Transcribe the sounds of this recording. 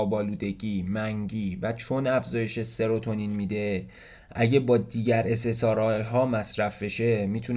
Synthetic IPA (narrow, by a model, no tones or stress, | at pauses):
bɒːluːd̪e̞ɟiːmæŋɟiːvæt͡ʃʰo̞næfzɒːje̞ʃese̞ɾo̞t̪ʰo̞ninmiːd̪e̞ | ʔæɟebɒːd̪iːɟæɾe̞s̬esɒːɾɒɦɒːmæsɾæfbe̞ʃe̞miːt̪ʰun